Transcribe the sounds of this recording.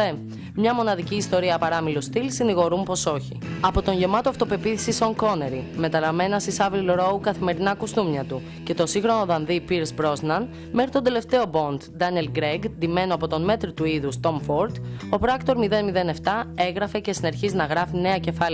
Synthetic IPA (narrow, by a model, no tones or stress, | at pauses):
e | mɲɐmo̞nɐðiciːst̪o̞ɾiɐpɐɾɐmilust̪ilsiniɣo̞ɾumpo̞so̞çiɐpo̞t̪o̞ɲʝe̞mɐt̪oɐft̪o̞pe̞piθi̥sisoŋko̞ne̞ɾime̞t̪ɐlɐme̞nɐsisɐvilɾo̞ukɐθime̞ɾinɐkust̪umɲɐt̪u | ce̞t̪o̞siŋɣxɾo̞no̞ðɐnðipiɾzbɾo̞znɐn | me̞xɾi̥t̪o̞d̪e̞le̞ft̪e̞o̞bo̞nd̪d̪ɐnielɡɾeɡd̪ime̞noɐpot̪o̞nme̞t̪ɾit̪uiðust̪o̞mfoɾt̪o̞pɾɐkt̪o̞ɾmiðe̞nmiðe̞ne̞ft̪ɐe̞ɣɾɐfe̞cesineɾçiznɐɣɾɐfine̞ɐce̞fɐli